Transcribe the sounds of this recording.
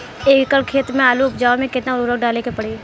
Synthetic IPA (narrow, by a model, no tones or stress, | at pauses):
eːkkəɾkʰeːt̪mẽaːluʊpd͡ʒaːomẽkɪt̪naɾʊɾək̚ɖaːlekepɐɽ̤eː